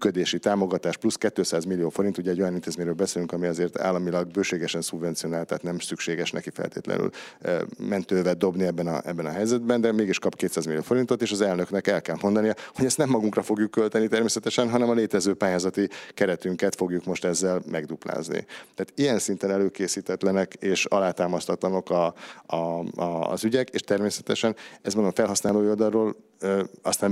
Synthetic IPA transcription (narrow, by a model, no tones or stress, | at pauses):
myːkød̪eːʃit̪aːmo̞ɡɒt̪aːʃpluskɛt̪ːøːsaːzmilːijoːfo̞ɾint̪uɟɛɟːo̞jɒnint̪eːzmeːɲɾøːlbɛseːlyŋkɒmiɒzeːrt̪a̰ːlːɒmilɒɡ̚bøːʃeːɡɛʃɛnsubvɛnt̪sio̞naːlt̪a̰ːt̪nɛmsykʃeːɡɛʃnɛ̰kifɛ̰lt̪ḛːt̪lɛ̰ny̰l | mɛnt̪øːvɛd̪o̞bniɛbːɛnɒ̰ɛbːɛnɒɦɛjzɛd̪̚bɛnd̪ɛmeːɡiʃkɒpkeːt̪saːzmilijoːfo̞ɾint̪o̞t̪eːʃɒzɛlnø̞knɛkɛlkɛlmo̞nd̪ɒnijɒho̞ɟɛst̪nɛmːɒɡuŋkrɒfo̞ɡjukːølt̪ɛnit̪ɛrmeːsɛt̪ɛʃɛnɦɒnɛmɒleːt̪ɛzøːpaːjaːzɒt̪ikɛɾɛt̪yŋkɛt̪fo̞ɡjukmo̞ʃt̪ɛzːɛlmɛɡd̪upla̰ːznḭt̪ɛaːt̪ijɛnsint̪ɛnɛløːkeːsiːt̪ɛt̪lɛnɛkeːʃɒ̰laːt̪aːmɒst̪ɒt̪lɒnokɒɒ̰ | zyɟɛkḛːʃt̪ɛrmeːsɛt̪ɛʃɛnɛzmond̪oɱfɛlɦɒsnaːloːold̪ɒlːoːl | øɒst̪nɛm